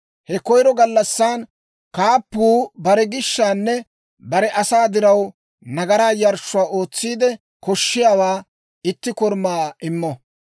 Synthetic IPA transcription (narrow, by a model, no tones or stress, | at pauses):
hɛkɔjɾɔɡɐlːɐsːaːn | kaːpːuːbɐɾɛɡɪʃːaːnːɛ | bɐɾɛʔɐsaːd̪ɪɾɐw | nɐɡɐɾaːjɐɾʃːʊaːʔo̞ːt͡sːiːd̪ɛ | kɔʃːɪjaːwaː | ɪt̪ːɪkɔɾmaːɪmːɔ